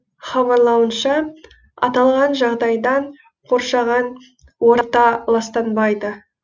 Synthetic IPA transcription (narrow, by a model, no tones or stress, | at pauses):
χɑβɑɾlˠɑwənʃɑ | ɑ̰t̪ɑlˠʁɑnʒɑʁd̪ɑjd̪ɑɴ | qʰo̞ɾʃɑʁɑn | woɾt̪ːɑlˠɑst̪ɑnbɑjd̪ə